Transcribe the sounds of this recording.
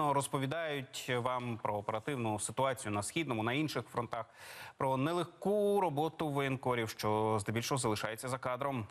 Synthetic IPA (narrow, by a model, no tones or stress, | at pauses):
ɔɾɔspɔʋʲid̪ɑjʊtʲʋɑmpɾɔːpeɾɐt̪ɪwnʊsɪt̪ʊɑt͡sʲijʊnɐsxʲid̪nɔmʊnɐinʃɪxfɾɔnt̪ɑxpɾɔnɛlˠexkuɾɔbɔt̪ʊʋɔjɪnkɔɾʲiwʃt͡ʃɔzd̪ɛbʲilʲʃɔɦɔzɐlˠɪʃɑjet͡sʲːɐzɐkɑd̪ɾɔm